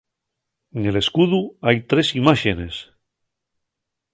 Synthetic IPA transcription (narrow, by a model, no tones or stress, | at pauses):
eŋele̞skuðuajt̪ɾe̞simaʃene̞s